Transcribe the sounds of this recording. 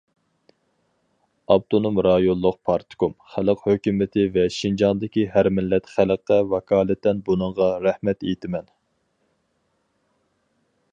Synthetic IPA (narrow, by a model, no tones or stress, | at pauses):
ɑb̚t̪onumɾɑjonlˠːʊq̚pʰɑɾt̪ʰɪ̥kumχæləqhøkʲymɪt̪ʰɪvɛʃind͡ʒɑnd̪ɪkʲiɦæɾmɪlːɛt̪χæləqːɛvɑkʰɑːlˠɛt̪ːɛnbunɨɴʁɑɾæhmɛt̪ejt̪ʰɪmɛn